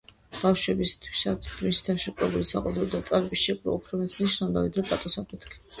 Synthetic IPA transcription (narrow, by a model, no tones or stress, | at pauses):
b̥afʃwɛbist̪ʰwi̥sat̪sʰd̪misi̥t̪ʰaʃɛkʼɛlulisa̰qʼwɔd̪ɔɔd̪at̪sʼaɾɛbisʃɛkʼɾɔ̰upʰɾɔmɛt̪sʰiniʃnamd̪avid̪ɾɛpʼat̪ʼɔsapʰʼit̪ʰkʰi